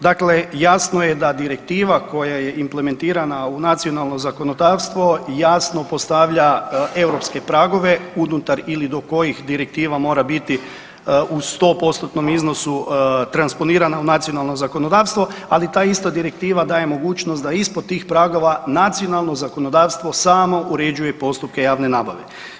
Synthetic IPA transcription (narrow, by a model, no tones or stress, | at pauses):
d̪aklejaːsno̞jed̪ad̪iɾe̞kt̪iːʋako̞jaje̞imple̞me̞nt̪iːɾanaunat̪sionalˠno̞zako̞no̞d̪aːʋst̪ʋo̞jaːsno̞po̞st̪aʋʎae̞wɾo̞pske̞pɾaːɡo̞ʋe̞unut̪aɾilid̪o̞ko̞jixd̪iɾek̚t̪iːʋamo̞ːɾabit̪i | ust̪o̞ːpo̞st̪ot̪no̞mizno̞sut̪ɾanspo̞niːɾanaunat̪sijo̞nalˠno̞zako̞no̞d̪aːʋst̪ʋo̞alit̪aːist̪ad̪iɾe̞k̚t̪iːʋad̪aːje̞mo̞ɡuːt͡ʃnost̪d̪aispod̪̚t̪ːiːxpɾaɡo̞ʋanat̪sio̞nalˠno̞zako̞no̞d̪aːʋst̪ʋo̞saːmo̞ʔuɾe̞d͡ʑuje̞po̞st̪up̚ke̞jaːʋne̞naːbaʋe̞